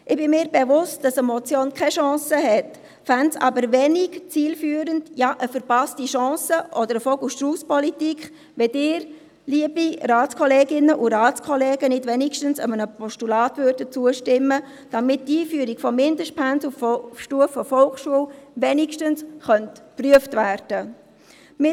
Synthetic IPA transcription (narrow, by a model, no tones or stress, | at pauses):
ʔɪbɪmɪːɾbɛvʊst̚d̥ɑsəmɔt͡sjoːnkʰɛʃɑ̃ːsəɦɛt | fɛntsɑ̰bəɾʋɛnɪɡt͡siːlfyːɾəndjaʔəfəɾpɑstiʃɑ̃ːsəʔɔdəɾəfɔlɡuʃtruːspɔlitikχ | ʋɛdɪːɾ | liəbiraːtt͡skʰɔleːɡɪnːəʔuɾaːt͡skʰɔlɛːɡənɪtʋɛnɪkʃtənsəmənəpʰɔʃtulaːtʋøɾdət͡suəʃtɪmːə | d̥amɪt̚diːfyəɾiɡfɔmɪndəʃt̚pʰænsuffʃtuəfːɔfɔlχʃuəwʋɛnɪkʃtənsχœntpryəftvæːɾd̥ə | mɪ